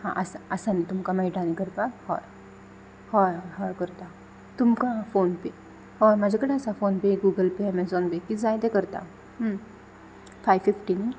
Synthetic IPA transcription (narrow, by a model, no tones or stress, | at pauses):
hã̰ʔəsaəsanit̪umkamaiʈanikəɾk̪ahɔ̰j | hɔjɦɔɦɔjkəɾt̪a | t̪umkafoːnpe | hɔjmad͡ʑʱakəɽeəsafonpeɡuːɡəlpemɛ̃nsɔnbekid͡zajd̪ekəɾt̪a̰ | ɦ | fajʋfifʈini